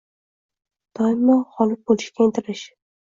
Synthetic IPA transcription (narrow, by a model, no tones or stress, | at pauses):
d̪̥ɒjɪmɒhɒlˠɪk̚bolɪʃkʲaɪnt̪ʰɪɾɪʃ